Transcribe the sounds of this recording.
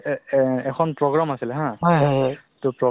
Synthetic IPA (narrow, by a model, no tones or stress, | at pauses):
ɛkʰɔnpɹɔɡɹamasilɛɦãɦɔjɦɔ | tʊpɹɔ